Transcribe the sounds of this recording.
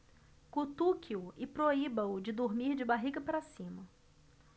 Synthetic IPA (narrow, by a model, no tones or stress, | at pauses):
kut̪ukʰiuɪpɾoibɐ̃ʊd͡ʒɪd̪oɾmiɾd͡ʒɪbaɦiɡɐpaɾasĩmɐ